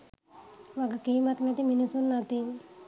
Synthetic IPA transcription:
ʋaɡakiːmat̪naʈ̪iminisunːat̪in

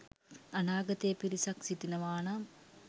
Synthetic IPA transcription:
ɐnaːɡɐt̪eːpiɾisɐksit̪inɐʋaːɳɐ

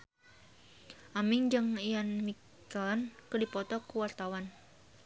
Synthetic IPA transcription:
ʔamɪŋd͡ʒəŋijanmi | kankədipɔt̪ɔkuwart̪awan

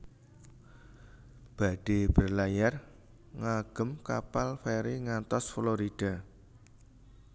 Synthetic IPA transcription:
b̥a̤ɖ̥eb̥ə̤rlajar | ŋaɡ̥ə̤mkapalfɛɾiŋant̪ɔsfloɾid̥a̤

